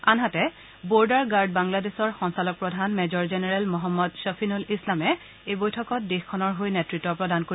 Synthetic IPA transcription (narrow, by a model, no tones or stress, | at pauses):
anɦatɛ | boɹdaɹɡaɹd̚baŋladesɔɹxɔnsalɔk̚pɹɔdʱanmɛzɔɹzɛnɛɹɛlmɔɦɔmːɔdʃafʰinulislamɛ | ejbojtʰɔkɔt̚dexkʰːɔnɔɹɦojnɛtɹitːɔpɹɔdankoɹi